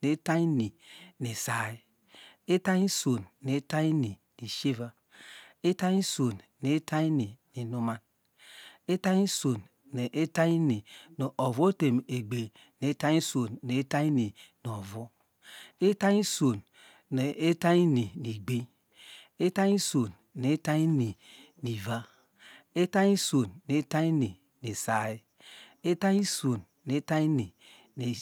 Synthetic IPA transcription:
ne˨˦ta˦i˦ni˨ni˨sa˨i˦ | e˦ta˦ɲi˦so˨nne˨˦ta˦i˦ni˨ | ni˨ʃe˦va˦ | e˦ta˦i˦so˨nnːe˨˦ta˦i˦ni˨ni˨nu˨ma˦n | e˦ta˦i˦so˨n | ne˨ʔe˦ta˦i˦ni˨no˨ʔo˨vo˦te˨me˨ɡ͡be˨ | ne˨˦ta˦i˦so˨nne˨˦ta˦i˦ni˨n˨o˨vo˦ | e˦ta˦ɲi˦so˨n | ne˨ʔe˦ta˦i˦ni˨ni˨ɡ͡be˦ | e˦ta˦ɲi˦so˨n | ne˨˦ta˦i˦ni˨ | ni˨va˦ | e˦ta˦i˦so˨nne˨˦ta˦i˦ni˨ | ne˨sa˨i˦ | e˦ta˦i˦so˨nːe˦ta˦i˦ni˨ | ne˨

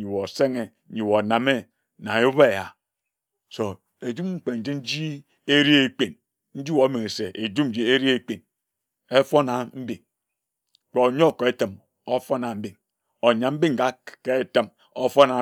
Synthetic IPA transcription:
ɲi˨wo˨se˦ŋe˨˦ɲi˨wo˨na˨me˦ | na˨ju˦βe˦˨ja˨ | so˨ | e˨d͡ʒu˦mŋ͡m̩˦k͡pe˨n̩˨d͡ʒi˦n̩˦d͡ʒi˦ | e˦ɾi˦e˦k͡pe˨n | n̩˦d͡ʒi˦wo˨˦me˨e˨se˨ʔe˨d͡ʒu˦n̩˦d͡ʒi˦e˦ɾi˦e˦k͡pe˨n | e˦fo˦na˨m̩˦bi˨ŋ˨ | k͡po˨o˨ɲo˦˨ke˦tə˨m | o˦fo˦na˨m̩˦bi˨ŋ | o˨ɲa˨m̩˦bi˦ŋ̩˨ɡa˦ke˦tə˦m | o˦fo˦na˨

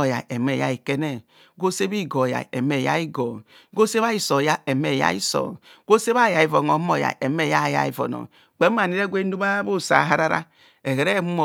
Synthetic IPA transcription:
o˨ja̰˨e˨me˨ja̰˦i˨ke˦ne˦ | ɡo˦se˦bi˦˨ɡo˨ja̰˨ḛ˨me˨ja̰˦i˦ɡo˨ | ɡo˦se˦βa˦i˦so˨ja˦e˨me˨ja̰˦ḭ˦so̰˨ | ɡ̥o˦se˦βa˦˨ja˨i˦˨vo˨no˨˦mo˨ja̰˨ʔe˨me˦˨ja˦˨ja̰˨˦i˨vo̰˨no̰˨ | k͡pe˨˦ma˨ni˦ɾe˦ɡʷe˦n˦du˦ba˦bo˦˨sa̰˨ɦa˦ɾa˦ɾa̰˦ | e˨ɣe˨ɾe˦mu˦mo˨

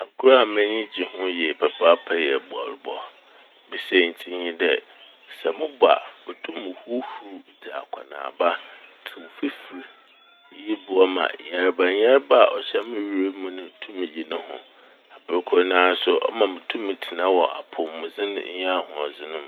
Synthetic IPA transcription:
a˨kʰu˦ɾa˦˨mɛ̃˦nɪ̃˦d͡ʑi˨hʊ̃˦jɛ˨pʰɛ˨pʰa˦pʰɛ˦jɛ˨bu˨a̰˨ɾʊ˨bɔ˦ | bi˨se˦˨n̩˨tʰĩ˦ɲĩ˦dɛ˦ | sɛ˨mʊ̃˦bʊ˨a̰˨mɪ̃˨tʰũ˦mːʊ̃˨hu˦hu˦dɛ˨a̰˨kʷʰa˨nã̰ː˨ba˦tʰi˨wfi˦fi˨ɾ | ji˦bʊ˨ɔ˦mã̰˨ɲa˨ɾba˨˦ɲa˦ɾba˦a˨ʔɔ˨ɕɛ˦mɪ̃˦ɥi˦ɾe˦mũ˦nʊ̃˦˨tʰũ˦mːɪ̃˨d͡ʑi˨nʊ̃˦hʊ̰̃˨ | a˨bɪ˨ɾkʰʊ˦nãː˦sʊ˦ʔɔ̰˦mã˨mɪ̃˨tʰũ˦mːɪ̃˨tʰi˨nã˦wɔ˨ʔa̰˨pʰʊ˨mʊ̃˨zɪ̃˦n˦ɲ˦ã˦˨hʊ̃˨ɔ˨zɪ˦nʊ̃˦m

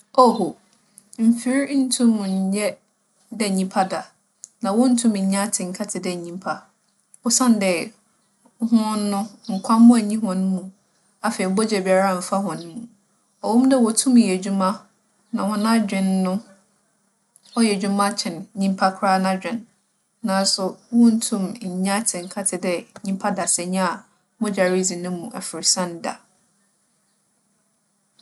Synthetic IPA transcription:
o˦ho˨ | m̩˨fi˦ɾn̩˦tʰũ˦m̃˨ɲ̩˨˦jɛ˦ | dɛ˨ɲĩ˦mpʰa˦da˨ | nã˨wɔ̃˦n̩˦tʰũ˦m˨ɲ̩˨˦ɲã˦tʰɪ˨ŋ̩˨kʰa˦tʰɪ˨dɛ˨ɲĩ˦mpʰa˦ | ɔ˨˦sã˦n˦dɛ˨˦ | hʊ̃˦ɔ̃˦nː˦ʊ̃˦ŋ̩˨kʷʰa˦mʊ̃˦æ˨ɲĩ˦ɦɔ̃˨nʊ̃˦mũ˨ | a˨fɛ˨i˨˦bɔ˦d͡ʑɛ˨bi˨a˨ɾa˦˨m̩˨fa˦hɔ̃˨nʊ̃˦mũ˨ | ɔ˨wɔ̃˦mdɛ˦˨wɔ˨tʰũ˦m˨jɛ˨d͡ʑu˦mã˦ | nã˨hʊ̃˦nã˦d͡ʑᶣɪ̃˨nːʊ̃˦ | ɔ˦jɛ˨d͡ʑᶣu˦mã˦t͡ɕʰɪ̃˨nɲĩ˦m˦pʰa˦kʰɾa˦nã˦d͡ʑᶣɪ̃˨nː | ã˨n˦sʊ˨wɔ̃˦n̩˦tʰũ˦˨m˨ɲ̩˨ɲã˦tʰɪ̃˨ŋ̩˨kʰa˦tʰɪ˨dɛ˦ɲĩ˦m˦pʰa˦da˨sɛ˨ɲã˦a˨˦ | bɔ˦d͡ʑa˨ɾi˦zĩ˨nʊ̃˦mũ˨ʔɛ̰˨fɪ˨ɾsã˦nda̰˨

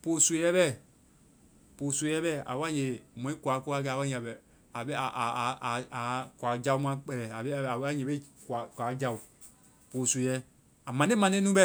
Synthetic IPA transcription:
po˨so˨jɛ˦bɛ˦˨ | po˨su˨e˨jɛ˦bɛ˦˨a̰˨wa˦˨ɲe˨mɔ̃˨˦ĩ˦ku˨a˨˦ko˦a˦˨ɡɛ˧˨wa˦ã˨bɛ˨ | a˨be˦a˨ʔa˨kʷa˨˦d͡ʒa˧u˦mã˦k͡pɛ˨lɛ˨a˨be˦a˨˦a˦ɲẽ˨be˦˨ka˨kwa˨˦d͡ʒa˨u˨ | po˨su˨jɛ˦ | a˨mã˨˦e˦mã˨˦e˦nũ˦bɛ˦˨

